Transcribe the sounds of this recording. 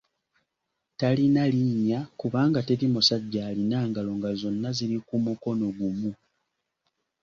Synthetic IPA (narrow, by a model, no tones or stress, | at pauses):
talinaliɲakuβaːŋɡate̞timusaɟːaːlinaːŋɡalo̞ŋɡazo̞nːaziɾikumuko̞no̞ɡumu